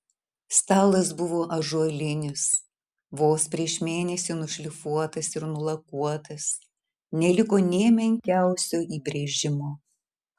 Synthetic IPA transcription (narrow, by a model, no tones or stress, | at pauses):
st̪ɑːlˠɐsbʊʋoːʔɐʒuɔlʲɪnʲɪs | ʋoːspʲɾʲiɛʃmʲeːnʲɛsʲɪnʊʃʲlʲɪfuɔt̪ɐsɪɾnʊlˠɐkuɔt̪ɐs | nʲɛlʲɪkoːnʲɛːmʲɛŋʲkʲæˑʊsʲoːiːbʲɾʲeːʒʲɪmoː